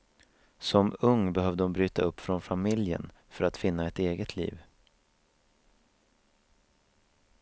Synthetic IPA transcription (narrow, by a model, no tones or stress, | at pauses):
sɔmɵŋːbɛɦœːvd̪əɔmbɾyːt̪aɵpːfɾɔnfamɪljə̰n | fœɾat̪fɪnːaɛt̪eːɡət̪ʰlḭːv